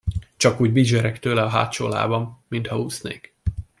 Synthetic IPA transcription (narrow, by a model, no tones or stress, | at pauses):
t͡ʃɒkuːɟbid͡ʒɛɾɛkt̪øːlɛɒɦa̰ːt̪t͡ʃo̰ːla̰ːbɒmːint̪hɒuːsnḛːk